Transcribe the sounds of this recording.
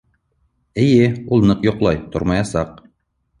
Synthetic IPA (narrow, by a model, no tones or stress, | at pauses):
ɘ̆jɘulˠnɤqjŏqlˠɑjt̪o̰ɾmɑjɑsɑq